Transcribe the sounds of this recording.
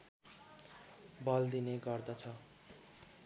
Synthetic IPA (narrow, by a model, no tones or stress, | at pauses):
bʱʌld̪ineɡʌrd̪ʌt͡sʰʌ